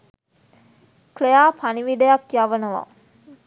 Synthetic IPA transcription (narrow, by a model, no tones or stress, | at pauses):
klejaːpʰaniʋiɖəjakjaʋənəʋa̰